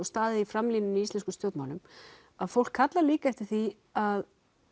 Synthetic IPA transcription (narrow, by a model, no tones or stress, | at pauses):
ɔst̪aːðɪifɾamliːnɪniist̪ɛnskʏmst̪jowt̪mawlʏm | aðfowl̥kʰːat̪laɾliːkaɛft̪ɪɾ̥θi | að